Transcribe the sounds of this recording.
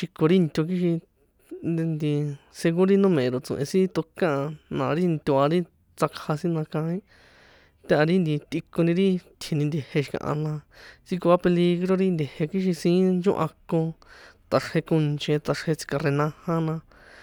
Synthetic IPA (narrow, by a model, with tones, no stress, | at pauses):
ʃi˧ko˧ɾi˦˧nt̪ʲo˧k̬i˦ʃi˧ | nd̪i˧se˧ɣu˦ɾi˦nũ˦mẽ˨˧ɾo˨t͡sõ̰˧˨ʔḛ̃˧sĩ˦t̪o˧kã˦˧nã˨˧ɾi˦nt̪ʲu˧a˧ɾi˦ | t͡sa˧kʰha˧sĩ˦nã˧kã˧ĩ˦ | t̪ʲa˦a˧ɾi˦nd̪i˧t̪i˧ko˧nĩ˧ɾi˦t̪ʰje˧nĩ˧nd̪e˧he˧ʃi̥˧kã̰˧ʔã̰˧nã˧t͡si˦ko˧a˦pe˧li˧ɣɾo˦˧ɾi˦nd̪ʲe˧he˧ki˦ʃ̬i˧sĩː˧˦nd͡ʒõ̰˦ʔã̰˧kõ˧t̪a˧ʂhe˧kõ˧nt͡ʃẽ˧t̪a˧ʂhe˧t͡si̥˧ka˧re˧nã˧hã˦nã˧